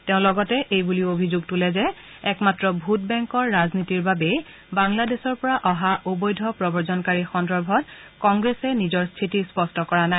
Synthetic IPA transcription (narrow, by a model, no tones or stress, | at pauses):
teʊ̃lɔɡɔtɛʔejbuliobʱizuɡ̚tulɛzɛ | ɛkmatɹɔbʱut̚bɛŋkɔɹːaznitiɹbabe | baŋladesɔɹpɔɹaʔɔɦaʔubɔjdʱɔpɹɔbɔɹzɔnkaɹixɔndɔɹbʱɔt̚kɔŋɡɹesɛnizɔɹstʰitispɔstʰɔkɔɹana